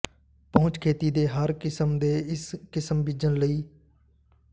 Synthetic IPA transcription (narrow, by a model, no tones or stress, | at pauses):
pəʊ̃t͡ʃkʰeːt̪iːd̪eːɦəɾkɪsəmd̪eːɪskɪsəmbɪd͡ʒənləiː